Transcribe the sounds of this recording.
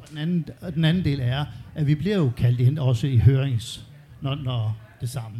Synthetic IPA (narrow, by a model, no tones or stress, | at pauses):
ɒd̥enænn̩d̥enænn̩d̥e̝̰ːlæɐʔæʋib̥liɐjo̝kʰæl̰d̥enɒ̽səiɦøːɐeŋs | nɒnɒd̥e̝sɑ̈mə